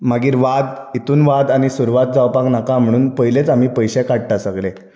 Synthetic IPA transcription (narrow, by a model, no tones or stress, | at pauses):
maɡiːɾʋad̪it̪uːnʋad̪añisuɾʋat̪̚d͡zawpaknakam̤əɽ̃uːnpəjlet͡sam̤iːpəjɕekaɽ̚ʈasəɡle